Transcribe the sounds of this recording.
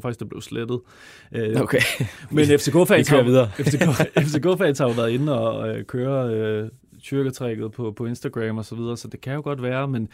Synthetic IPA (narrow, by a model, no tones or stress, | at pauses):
fɑ̈ɡ̥isd̥b̥le̝ʊsled̥ð̞̩ˠ | ʔøokʰemenefd̥eɡ̥ʰo̰fɛiðˠɐefeefd̥e̝ɡ̥ʰofɛɪnshɑ̈joʋæɐðˠe̝nn̩ɒ̽kʰøːɐø | sʰyɐɡ̥ət͡sʰʁɛɡ̥ð̩ˠpʰɒ̽pʰɒ̽e̝nsd̥æɡ̥ʁɛmɒ̽sɒ̽ʋið̞ˠɐːsɒ̽d̥e̝kʰæjo̝ɡ̥ɒ̽d̥ʋæːɐmen